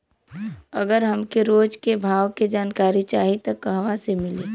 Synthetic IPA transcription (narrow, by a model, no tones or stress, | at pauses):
ɐɡəɾɦɐmkeɾoːd͡ʒkebʱaːʋked͡ʒaːnkaːɾit͡ʃaːɦit̪ɐkːəɦʋasemɪliː